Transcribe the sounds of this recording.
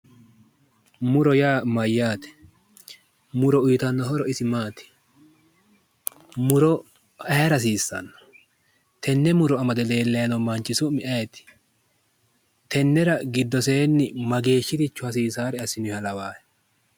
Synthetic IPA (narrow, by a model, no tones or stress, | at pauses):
mʊɾɔjaːmɐjːaːt̪ɛ̥ | mʊɾɔʊjt̪ɐnːɔɦɔɾɔɪsɪmaːt̪ɛ̥ | mʊɾɔ | ɐɾɐs̬iːsːɐ̰nːɔ̥ | t̪ʰɛnːɛmʊɾɔɐmɐd̪ɛle̞ːlːɛjɐnɔmɐnt͡ʃʼːɪsʊmɪʔɐjɛt̪ɪ̥ | t̪ɛnːɛɾɐɡɪd̪ːɔseːnːɪmɐɡe̞ːʃːɪt̪ɪt͡ʃːʊhɐs̬iːsaːɾɛɐsɪnʊhɐlɐwaːhɛ̥